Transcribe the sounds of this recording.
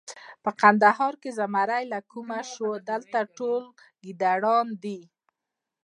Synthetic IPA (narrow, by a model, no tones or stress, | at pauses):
pəqand̪aɦɑɾkezamaɾajlakumaʃod̪əlt̪aʈol | ɡid̪aɽɑnd̪i